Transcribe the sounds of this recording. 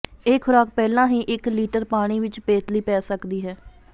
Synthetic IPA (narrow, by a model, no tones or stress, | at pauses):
eːkʰʊɾaːk̚pɛːlãːɦĩːʔɪkliːʈəɾpaːɽ̃iːʋɪt͡ʃpeːt̪liːpɛːsəkd̪iːɦɛː